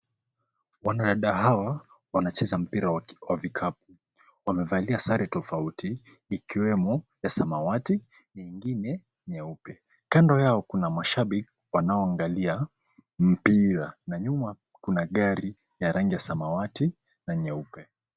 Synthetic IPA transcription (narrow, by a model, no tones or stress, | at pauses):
wanaɗaɗaɦawa | wanat͡ʃɛzam̩piɾawavikʰap̚u̥ | wamɛvaliasaɾɛtɔfautiː | kiwɛmɔjasamawati | ɲiŋɡinɛ | ɲɛupɛ | kandɔjaɔkunamaʃaɓik | wanaɔaŋɡalia | m̩piɾanaɲuma | kunaɠaɾi | jaɾaŋɡijasamawati | naɲɛupɛ